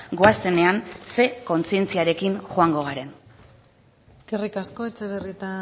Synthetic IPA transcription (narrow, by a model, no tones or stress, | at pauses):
ɡo̞ase̞ne̞anse̞ko̞nt͡sie̞nt͡siaɾe̞kinxoaŋɡo̞ɣaɾe̞n | kerikasko̞et͡seβerit̪a